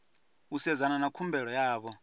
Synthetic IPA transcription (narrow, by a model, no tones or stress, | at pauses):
usɛd͡zananakʰumbʱɛɺɔjaːβɔ